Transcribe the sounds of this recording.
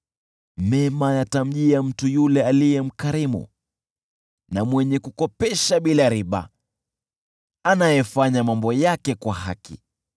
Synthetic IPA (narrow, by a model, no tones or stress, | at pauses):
mɛmajatam̩ʄiam̩tujulɛalijɛm̩kaɾimṵ | namwɛɲɛkukɔpɛʃaɓilaɾiɓa̰ | anajɛfaɲamambɔjakɛkwaɦa̰kḭ